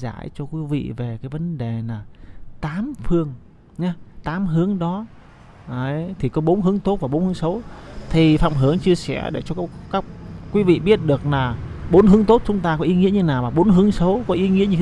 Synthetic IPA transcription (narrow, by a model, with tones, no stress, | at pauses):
za̰ː˧˩˨jt͡ɕɔ˧kwi˨˦vḭ˧˨ve˨˩kaː˨˦jvə˨˦nɗe˨˩laː˨˩t̪aː˨˦mfɨ˧əŋ | ɲa˨˦t̪aː˨˦mɦɨ˨˦əŋɗɔ˨˦ | ʔə˨˦jt̪ʰi˨˩kɔ˨˦ɓo˨˦nɦɨ˨˦əŋt̪o˦˥t̚va˨˩ɓo˨˦nhɨ˨˦ə˦ŋsə˨˦wt̪ʰi˨˩faː˧˩mɦɨ˨˧˩əŋt͡ɕɨ˧əsɛ̰˧˩əɗe˧˩t͡ɕɔ˧˦kaː˦˥k̚ːwi˨˦vḭ˧˨ɓi˦˥ət̚ɗɨ˨˩ək̚laː˨˩ɓo˨˦nhɨ˨˦əŋt̪o˦˥t̚t͡ɕʊ˨˦ŋ͡mt̪aː˧kɔ˨˦ʔi˨˦ŋḭ˧˥əɲɨ˧naː˨˩wmaː˨˩ɓo˨˦nɦɨ˨˦əŋsə˨˦wkɔ˨˦ʔi˨˦ŋḭ˧˥əɲɨ˧